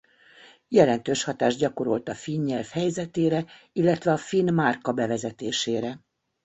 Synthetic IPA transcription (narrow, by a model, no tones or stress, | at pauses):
jɛlɛn̪t̪øːʃhɒt̪aːʒɟɒko̞ɾo̞lt̪ɒfiɲɲɛlfhɛjzɛt̪eːɾɛ | ilːɛt̪ʋɛɒfinmarkɒbɛvɛzɛt̪eːʃeːɾɛ